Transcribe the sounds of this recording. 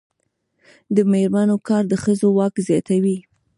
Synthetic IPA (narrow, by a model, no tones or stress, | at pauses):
d̪əmehɾmanokɑɾd̪əxəzowɑkzjɑt̪awi